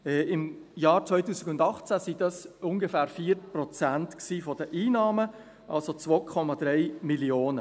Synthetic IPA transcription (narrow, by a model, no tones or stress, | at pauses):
ɛɪm | jɑːɾt͡sʋœɪtuːsɪɡʊndɑχt͡sæsid̥ɑsʊŋɡəfæːɾfiːɾpɾɔt͡sæntksiːfɔd̥əʔiːnɑːmə | ʔɑ̰lsot͡svokʰɔmɑd̪ɾɛɪmilioːnə